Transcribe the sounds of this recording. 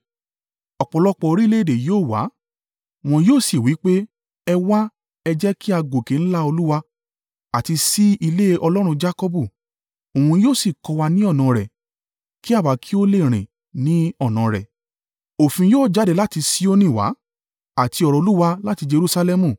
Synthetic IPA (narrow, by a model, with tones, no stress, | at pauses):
ɔ˨k͡pɔ˧˨lɔ˧˦k͡pɔ˧o˧ɾi˦le˦e˦˨de˨joː˦˨wa̰˨˦ | w̃ɔ̃˧joː˦˨si˨wi˨˦k͡pe˦ | ɛ˧wa˦ | ɛ˧d͡ʒɛ˦kʰi˦a˧ɡo˨ke˨ñ̩˦la˦o˧lu˦wa˧ | a˨ti˧si˦i˧le˦ʔɔ˧lɔ˦ɾ̃ũ˧d͡ʒa˦kɔ˧bu˦˨ | o˨hũ˧joː˦˨si˨kɔ˧wa˧nĩ˦ɔ˦˨nã˨ɾɛ˨ | ki˦a˦˨wa˨˦kʰi˦o˦le˦˨ɾ̃ĩ˨ | nĩ˨˦ɔ˦˨nã˨ɾɛ̰˨ | o˨fĩ˧joː˦˨d͡ʒa˨˦de˧la˦ti˧si˦o˦nĩ˦˨wa̰˨˦ | a˨ti˧ɔ˧ɾɔ˨˧o˧lu˦wa˧la˦ti˧d͡ʒe˧ɾu˦sa˧lɛ˦mũ˨